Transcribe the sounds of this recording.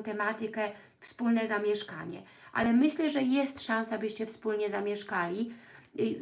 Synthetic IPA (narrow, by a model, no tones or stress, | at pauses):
t̪ɛmat̪ɘkɛ | fspulnɛzamʲjɛʂka̰ɲɛ̰ | ʔa̰lɛmɘɕlɛʐɛjɛst̪ʂãñsaabɘɕt͡ɕɛfspulɲɛzamʲjɛʂkalʲi